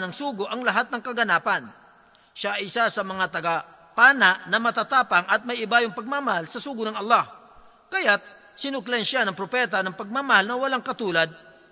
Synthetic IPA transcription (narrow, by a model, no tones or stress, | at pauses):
nɐŋsuːɡoʔɐŋlɐɦat̪̚nɐŋkɐɡɐnaːpɐn | ʃaʔɐjɪsasɐmɐŋat̪ɐɡa | paːnaʔnɐmɐt̪at̪aːpɐŋɐt̪̚mɐjɪbaːjoŋpɐɡ̚mamɐhalsɐsuːɡʊnɐŋɐlːah | kɐjat̪̚ | sɪnʊklanʃanɐŋpɾopɛːt̪anɐŋpɐɡ̚mamɐhalnɐwɐlaŋkɐt̪uːlɐd̪̚